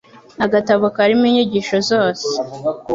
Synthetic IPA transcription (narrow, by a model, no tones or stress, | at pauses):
aɡataβokaɾimiɲiɟiʃo̞zoːse